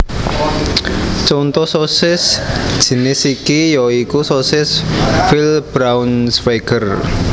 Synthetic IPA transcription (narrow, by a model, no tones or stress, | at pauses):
t͡ʃont̪ɔsosɪsʒ̥i̤nɪsikijɔikusosɪsfilb̥ɾawnsfeɡər